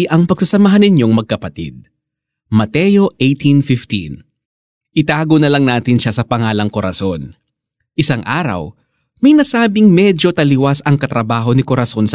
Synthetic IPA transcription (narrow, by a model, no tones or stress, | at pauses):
ʔɐŋpɐɡ̥̚sɐsɐmɐɦanɪɲjo̞ŋmɐɡ̚kɐpɐt̪ḭd̪̚ | mɐt̪ɛjo̞ʔejt̪ʰinfɪft̪ḭn | ʔɪt̪aːɡonɐlɐŋnaːt̪ɪnʃasɐpɐŋaːlɐŋkoɾʔɐ̰so̞n | ʔɪsaŋʔaːɾɐ̰w | mɐjnɐsaːbɪŋmɛd͡ʒo̞t̪ɐlɪwasɐŋkɐt̪ɾɐbaːɦo̞nɪkoɾʔɐso̞nsɐ